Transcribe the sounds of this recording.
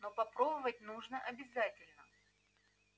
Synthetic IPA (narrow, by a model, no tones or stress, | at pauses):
nopɐpɾo̞bəvət̚ʲnuʐnəʔɐbʲɪzatʲɪlʲnə